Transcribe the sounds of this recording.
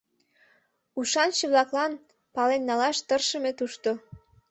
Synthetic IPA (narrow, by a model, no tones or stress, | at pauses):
uʃɑnʃeβlɑklɑn | pɑlenːɑlɑʃt̪ərʃə̆met̪uʃt̪o